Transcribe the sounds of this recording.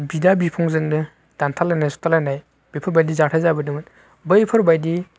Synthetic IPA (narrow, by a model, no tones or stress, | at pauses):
bidabipʰɔŋzɯŋnɯ | d̥antʰalajnajsɔ̥tʰalajnaj | b̥ipʰɔɾbajdizaktʰajzabɯdɯŋɯt | bɯjpʰɯɾbajdi